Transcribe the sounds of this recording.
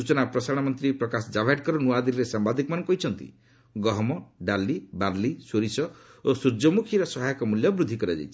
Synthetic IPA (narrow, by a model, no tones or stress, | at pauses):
ut͡ʃɔnapɾɔsaɾɽ̃ɔmɔnt̪ɾipɾɔkasɔd͡ʒabʱaʈ̚kɔɾɔnuad̪ilɾesambad̪ʱikɔmanɔŋkɔɦit͡ʃʰɔnt̪ḭ | ɡɔɦɔmɔɖalːibaɾlisoɾisɔ | osuɾd͡ʒɔmukʰiɾɔsɔɦajɔkɔmuljɔbɾud̪ʱikɔɾad͡ʒa̰jt͡ʃʰi̥